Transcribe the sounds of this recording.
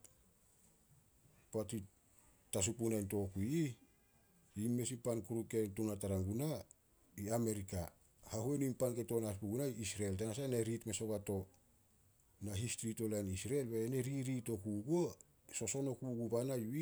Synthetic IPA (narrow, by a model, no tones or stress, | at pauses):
pati | tas̬upunajnto̞kuii | imːe̞sipankuɾuke̞ntunataɾaŋɡuna | iame̞ɾika | hahuenimpanke̞to̞naspuɡunaiisɾeltanasanaɾitme̞so̞βato̞ | naɦistɾito̞lanisɾelbeːneɾiɾito̞kuɡo | so̞so̞no̞kuɡubanajui